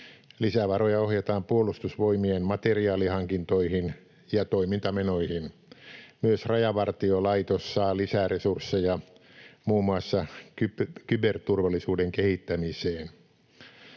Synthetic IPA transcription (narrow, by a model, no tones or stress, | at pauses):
lisæʋɑrojɑohjet̪ɑːmpuolˑust̪usʋoimienmɑt̪eriɑːlihɑŋkint̪oihin | jɑt̪oimint̪ɑmenoihin | myøsrɑjɑʋɑrt̪iolɑit̪osːɑːlisæresursːejɑ | muːmːuɑsːɑkykybert̪urʋɑlːˑisuːdeŋkehit̪ːæmiseːn